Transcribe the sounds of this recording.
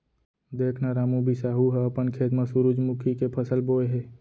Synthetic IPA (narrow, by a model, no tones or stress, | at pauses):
d̪eːkʰnaɾaːmubʱisaːɦuɦɛəpənkʰeːt̪mãsuɾud͡ʒmʊkʰikepʰəsəlboːeɦeː